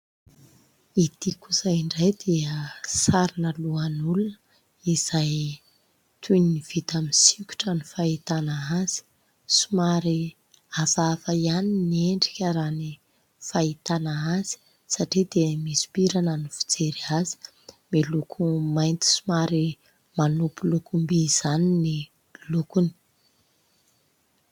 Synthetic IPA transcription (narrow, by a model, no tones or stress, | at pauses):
it̪ikuzajiɳɖ͡ʐajd̪eəsaɾinəluanulunə | iz̥aj | t̪ʰujniniv̥it̪aminsikʲu̥ʈ͡ʂanifait̪anaaz̥i̥ | sumaɾi | avavajaninieɳɖ͡ʐikʲəɾani | fait̪anaaz̥i̥ | saʈ͡ʂid̪̥emisi̥piɾanənifi̥d͡zeɾiazi̥ | melukʰumajnt̪i̥sumaɾi | manupulukumbiz̥anini | lukuni̥